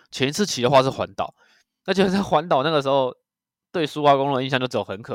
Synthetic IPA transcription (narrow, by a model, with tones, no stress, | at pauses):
t͡ɕʰjɛ˧˦ni˧t͡sʰɹ̩˥˨t͡ɕʰi˨˩d̪ə˦xwa˥˧ʂɻ̩˥˩xwa˧˦nt̪ɑ˨˩˦ʊ | na˥˩t͡ɕjo˥˩˥a˥˩xwa˧˦nt̪̬ɑ˨ʊna˥˩ɡə˩ʂ̬̩˧˥xo˥˧ʊ | t̪we˥˩ɪsu˥wa˥kŋlu˥˩də˧i˥˧ɕɑ˥˧t͡ɕj̩˥˩˥xə˧˦nkʰɤ˨˩